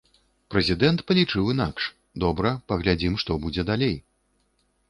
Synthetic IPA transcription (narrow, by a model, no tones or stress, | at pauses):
pɾɛzʲid̪ɛnt̪pɐlʲit͡ʂɨwinakʂ | d̪ɔbɾɐpɐɣlʲad͡zʲimʂt̪ɔbud͡zʲɛd̪alʲej